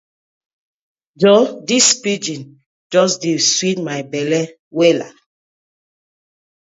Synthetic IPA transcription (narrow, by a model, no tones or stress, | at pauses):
d͡ʒɔdispid͡ʒĩn | d͡ʒɔsdiswitmajbɛlɛ | wɛla̰